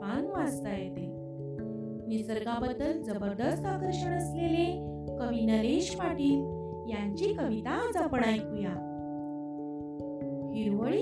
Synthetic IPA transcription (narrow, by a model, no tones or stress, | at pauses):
anʋad͡zt̪ajet̪e | nisəɾɡabəd̪əld͡zəbəɾd̪əst̪akəɾɕəɽ̃əslele | kəʋinəɾeɕmaʈiːn | jaɲt͡ɕikəʋit̪ad͡zapəɽ̃ajpuja | hiɾʋəɭi